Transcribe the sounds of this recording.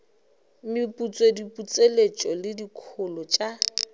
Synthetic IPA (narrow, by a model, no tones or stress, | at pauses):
mɪpʼut͡sʼwedipʼut͡sʼelet͡ʃʼɔlɪdikʰʊlɔt͡ʃʼa